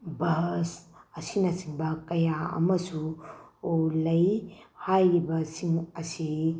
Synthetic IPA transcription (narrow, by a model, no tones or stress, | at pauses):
bɐɦsɐsinɐsiŋbɐkɐjaɐ̰mɐsuolɐjhajibɐsiŋɐsi